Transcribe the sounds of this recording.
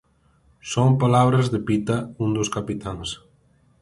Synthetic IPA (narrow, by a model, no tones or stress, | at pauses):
soŋpalaβɾazðɪpit̪aũnd̪ʊskapit̪aŋs